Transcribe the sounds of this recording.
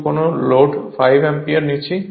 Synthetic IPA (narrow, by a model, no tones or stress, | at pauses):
konoloɖfajbɛmpiaɾnit͡ɕʰi